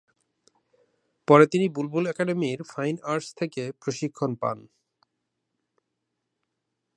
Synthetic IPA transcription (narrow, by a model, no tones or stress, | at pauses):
pɔɾet̪inibulbulɛkaɖemiɾfʰajnaɾst̪ʰekepɾoʃikʰːonpa̰n